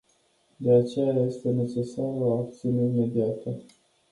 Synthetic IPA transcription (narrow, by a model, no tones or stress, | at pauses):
d̪e̞at͡ʃe̞jaje̞st̪e̞ne̞t͡ʃe̞saroapt̪siuneime̞d̪iat̪ə